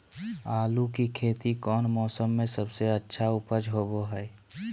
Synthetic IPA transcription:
aːlukikʰeːt̪ikɔːnmɔːsəmːẽsəbseətːʃʰaʊpəd͡ʒɦoːboɦɛː

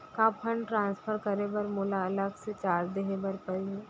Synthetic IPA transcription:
kãːpʰə̃ɳɖʈɾãːnspʰəɾkəɾebɐɾmʊlaləkʰset͡ʃaːɾd̪eɦẽbəɾpɐie

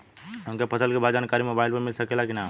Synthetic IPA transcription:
õŋkepʰəsəlkebʱad͡ʒankaɾimobaɪlpemilsəkelakina

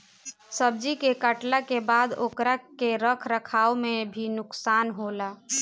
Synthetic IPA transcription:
səb̚d͡ʒikekəʈlakebad̪okɾakeɾəkʰɾəkʰaomebʱinʊksanɦola

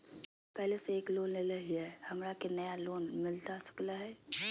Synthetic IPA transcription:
pɛɦleseeːkloːnleləɦiɦɛhɐmɾakenɐjaloːnmɪlt̪asə̥klaɦɛː

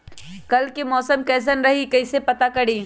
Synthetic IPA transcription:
kɐlkimɔːsəmkɛːs̬ənɾɐɦikɐisepɐt̪akɐɽiː

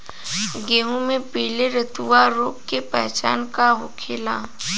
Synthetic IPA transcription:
ɡeːɦũmẽpiːleɾət̪uʋaɾoːpkepɛɦt͡ʃaːnkaɦʊkʰeːla̰

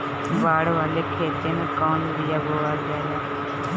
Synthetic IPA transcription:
baːɽʋaːleːkʰeːt̪eːnẽkɔːnʋɪjaːboːɭaːd͡ʒɛːlɛː

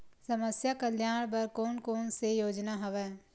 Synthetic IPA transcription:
səməsjakəljaːɽ̃p̬ɐɾkoːnkoːnsejoːd͡ʒnaɦɐʋɛː

